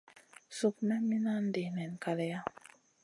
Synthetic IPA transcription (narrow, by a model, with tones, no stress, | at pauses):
su˨kna˦mi˦na˦nde˨nɛ˨nka˨le˦ja˦